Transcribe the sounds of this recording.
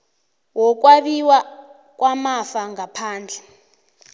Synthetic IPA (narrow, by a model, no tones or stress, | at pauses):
wɔk̬ʼwaβiwa | k̬ʼwamafaŋɡapʰaːnd͡ɮʱɛ